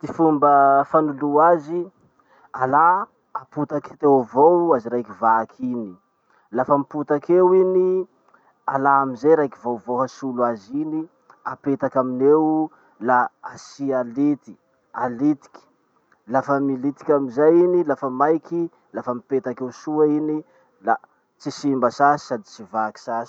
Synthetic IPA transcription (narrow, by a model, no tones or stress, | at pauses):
t̪ifumbəfanuluazi | alaː | put̪akt̪ewvowaziɾajkivakʰini | lafəmiput̪akewini | alaamizejɾajkivowvohəsuluazini | apet̪akaminew | laasialit̪i̥ | alit̪i̥kʲi̥ | lafəmilit̪i̥kʲamizajinilafəmajki | lafəmipet̪akewsuaini | la | t͡sisimbəsasi̥sad̪it͡sivaki̥sasi̥